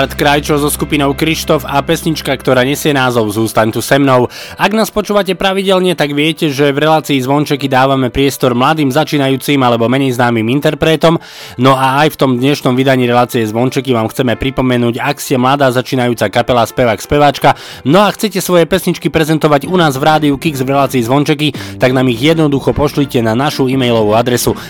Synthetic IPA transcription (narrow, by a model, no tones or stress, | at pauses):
ɾt̪kɾajt͡ʃɔzɔskupinɔʊkɾiʃt̪ɔfapɛsɲit͡ʃkakt̪ɔɾaːɲɛsɪɛnaːzɔʊzuːst̪aɲt̪usɛmnɔʊ | aɡnaːspɔt͡ʃuːʋacɛpɾaʋiɟɛlɲɛt̪aɡʋɪɛcɛʒɛvɾɛlaːt͡siːzʋɔnt͡ʃɛkid̪aːʋamɛpɾɪɛst̪ɔɾmlad̪iːmzat͡ʃiːnajuːt͡simalɛbɔmɛɲɛjznaːmiːmint̪ɛɾpɾɛːt̪ɔm | nɔaajft̪ɔmd̪ɲɛʃnɔmʋid̪aɲiːɾɛlaːt͡sijɛzʋɔnt͡ʃɛkiʋaːmxt͡sɛmɛpɾipɔmɛnuːɟakscɛmlad̪aːzat͡ʃiːnajuːt͡sakapɛlaspɛʋakspɛʋaːt͡ʃka | nɔaxt͡sɛcɛsʋɔjɛpɛsɲit͡ʃkipɾɛzɛnt̪ɔʋaɟunaːzvɾaːd̪iukiɡzʋɾɛlaːt͡siːzʋɔnt͡ʃɛkit̪aɡnaːmiɣjɛd̪nɔd̪uxɔpɔʃlicɛnanaʃuimɛjlɔʋuad̪ɾɛsu